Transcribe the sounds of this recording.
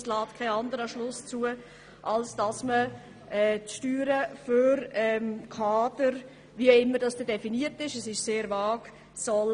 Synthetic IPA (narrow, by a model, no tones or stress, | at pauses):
slɑːtkʰaɪɑndəɾəʃlʊst͡suə | ʔɑlsd̥ɑsmə | ʔɛːtʃtyːɾəføɾɛmkʰɑːd̥əɾ | viɪmːədɑsd̥ɛdɛfiniətɪʃɛsɪʃseːɾvɑːk | sɔl